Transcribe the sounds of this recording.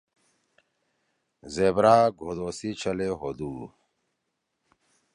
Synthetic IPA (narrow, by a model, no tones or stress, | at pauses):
zebɾaːɡʱoːd̪oːsit͡ɕʰɐleɦod̪uː